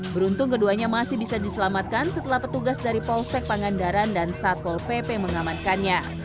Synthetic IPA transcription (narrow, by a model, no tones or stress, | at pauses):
bəɾunt̪ʊŋkəduaɲamasɪhbisadisəlamat̪̚kansət̪əlahpət̪uɡasdaɾipɔlsɛk̚paŋandaɾandansat̪̚pɔlpepeməŋamankanɲa